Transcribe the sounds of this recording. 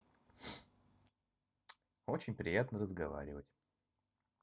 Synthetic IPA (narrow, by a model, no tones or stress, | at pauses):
ot͡ɕɪnʲpɾʲɪjat̪nərəzɡɐva̰ɾʲɪvətʲ